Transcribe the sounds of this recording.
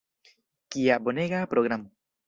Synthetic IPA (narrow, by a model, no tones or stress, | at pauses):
kiaboneɣapɾoɣɾam